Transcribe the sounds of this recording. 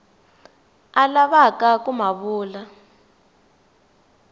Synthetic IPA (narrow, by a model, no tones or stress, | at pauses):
alaβakak̬ʼumaβuːla